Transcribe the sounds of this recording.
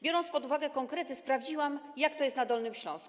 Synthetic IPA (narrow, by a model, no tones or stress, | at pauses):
bʲjɔɾɔnt̪spɔd̪uvaɡɛkɔŋkɾɛt̪ɘspɾavd͡ʑiwamjakt̪ɔjɛst̪nad̪ɔlnɘmɕlɔ̰̃sku̥